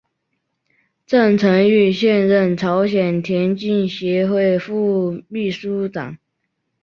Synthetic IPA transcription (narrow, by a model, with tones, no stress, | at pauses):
ʈ͡ʂə˥˩ŋt͡sʰə˧˥ŋy˥˩ɕjɛ˥˧nɻə˥˩nʈ͡ʂʰɑ˧˥ʊɕjɛ˨˩nt̪ʰjɛ˧˥nt͡ɕi˥˩nɕjɛ˧˥˦xwe˥˧ɪfu˥˧mi˥˩ʂu˥ʈ͡ʂɑ̰˨˩˦ŋ